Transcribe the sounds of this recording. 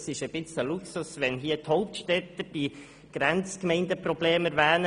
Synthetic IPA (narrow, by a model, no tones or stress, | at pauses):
sɪʃəb̥ɪt͡səluksusʋɛnɦiːt̪hɔʊp̚t̪ʃtɛt̪əd̥i | ɡ̥ɾɛnt͡skmɛɪndəprɔb̥leːməɾʋæːnə